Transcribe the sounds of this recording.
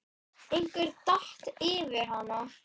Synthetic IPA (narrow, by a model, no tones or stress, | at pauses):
ejŋkvɪɾt̪aht̪ɪːvɪɾ̥hanːa